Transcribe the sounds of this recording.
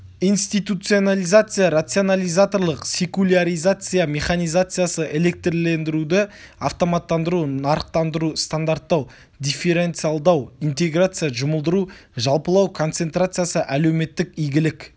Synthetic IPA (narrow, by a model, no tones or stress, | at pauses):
ijnst̪it̪ut̪sio̞nalijzat̪sɨjaɾat̪sio̞nalʲijzat̪o̞ɾlˠəqsʲe̞kulʲaɾijzat̪sɨjame̞χanijzat̪sɨjasəʔe̞le̞k̚t̪rle̞nd̪ɪɾud̪ɪaft̪o̞mat̪ːɑnd̪əɾunɑɾəqt̪ɑnd̪əɾust̪and̪aɾt̪ːɑw | d̪ʲife̞ɾe̞nt̪sɨjalˠd̪ɑwint̪e̞ɡrat̪sɨjaʒʊməlˠd̪əɾuʒɑlˠpəlˠɑwkʰo̞nt̪se̞nt̪ɾat̪sɨjasəʔæle̞wme̞t̪ːɪkijɡʲɪlɪk